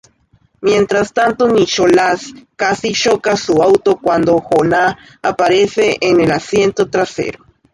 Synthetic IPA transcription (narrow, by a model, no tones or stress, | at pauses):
mjent̪ɾast̪ant̪onit͡ʃolaskasiʃokasuawt̪okwand̪oxonaː | paɾeseʔːnelasjent̪ot̪ɾasḛɾo